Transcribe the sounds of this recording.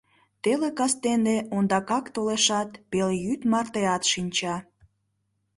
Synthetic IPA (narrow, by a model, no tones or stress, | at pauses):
t̪elekɑst̪eneond̪ɑkɑkt̪oleʃɑt̪peljyt̪mɑrt̪eɑt̪ʃinʲt͡ɕɑ